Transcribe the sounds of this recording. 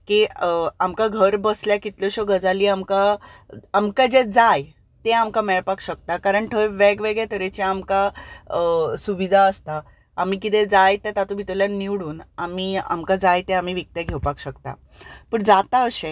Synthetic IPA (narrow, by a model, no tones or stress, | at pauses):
kiamkaɡʱəɾbəsljakit̪lɔɕoɡəd͡zaliːamkaː | mkad͡ʑed͡zaj | t̪eamkamɛɭpakɕək̚t̪akaɾəɳʈ̪ʰəjʋeɡʋeɡɭɛt̪ʰəɾet͡ɕaamka | suʋid̪ʱaəst̪aː | m̤ik̬it̪ɛd͡zajt̪ɛt̪at̪ũbʱit̪əljanːiʋɽuːnamiːa̰mkad͡zajt̪eam̤iʋik̚t̪ɛɡʱeʋpakɕəkt̪a̰ | pəɳd͡zat̪aəɕẽ